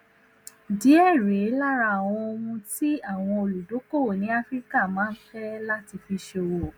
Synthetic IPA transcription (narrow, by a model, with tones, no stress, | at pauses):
di˨˦ɛ˦˨ɾe˨˦la˦˨ɾa˧a˨w̃ɔ̃˧o˧mũ˧ti˦a˦˨w̃ɔ̃˧o˧lu˨do˨˦ko˦˨o˨nĩ˨˦a˦fɾi˦ka˦˨mãː˨˦n̩˦fɛ˦la˦ti˧fi˧ʃe˧o˨˧wo˨